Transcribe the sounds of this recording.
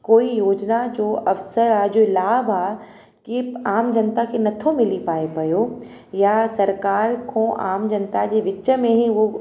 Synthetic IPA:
koːijoːd͡ʑnad͡ʑoːʔɐfsəɾaːd͡ʑoːɪlaːbaː | kiaːmd͡ʑɐnt̪akʰenɐt̪ʰomɪlipaːepɐjo | jasɐɾkaːɾkʰõːʔa̰ːmd͡ʑɐnt̪ad͡ʑeːʋɪt͡ɕə̆mẽɦĩo

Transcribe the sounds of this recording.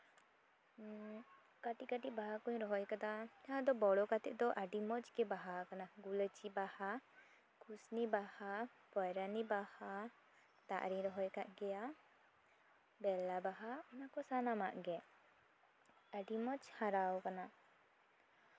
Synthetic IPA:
kaʈikaʈibaɦakɔɲɾɔɦɔjkad̪at̪aɦãd̪ɔbɔɽɔkat̪ɛʔd̪ɔʔaɖimɔt͡ʃɡɛbaɦakanaɡulət͡ʃibaha | kʰusnibaha | pɔjɾanibaha | t̪a̰ʔɾiɲɾɔɦɔjkaʔɡɛja | bɛlabaɦaɔnakɔsanama̰ʔɡɛ | aɖimɔt͡ʃhaɾawkana

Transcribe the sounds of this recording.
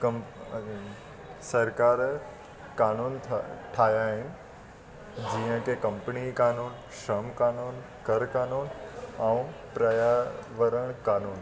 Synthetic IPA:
kɐm | sɐɾkaːɾ | kaːnuːnʰʈʰaːjaɦɪnɪ̆ | d͡ʑiːə̃kekɐ̃mpənikaːnuːn | ʃɐmkaːnuːn | kɐɾkaːnuːnaũpɾɐjaʋəɾəɽ̃kaːnuːn

